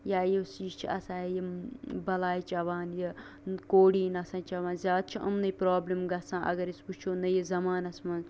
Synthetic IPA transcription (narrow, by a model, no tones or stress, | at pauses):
jaːjesiːʃt͡ʃʰiɐsãːjebɐlaːjit͡ʃɐʋaːnje | koːɽiːnɐsãːt͡ʃɐʋaːnzʲaːd̪̚t͡ʃʰiʔɐ̰mnɐjpɾaːblimɡɐsãːʔɐ̰ɡɐɾisput͡ʃʰoːnɐjezɐmaːnɐsmɐn